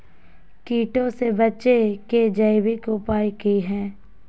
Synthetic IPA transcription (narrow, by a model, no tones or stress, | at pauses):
kiːʈõsebɐtːʃeked͡ʒəɪwikopaːikiɦɛ̃ː